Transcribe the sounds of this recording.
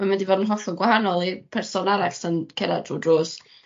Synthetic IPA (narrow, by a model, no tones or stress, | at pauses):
mamɛndivɔdənɦɔθɔɡwahanɔlˠipʰɛrsɔnaɾaɬənkʰɛɾa̰druːdrʊːs